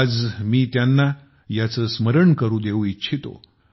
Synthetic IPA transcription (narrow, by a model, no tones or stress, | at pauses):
d͡zmiːt̪janːa | jat͡səːsməɾəɳkəɾũːd̪euitːɕʰit̪o̰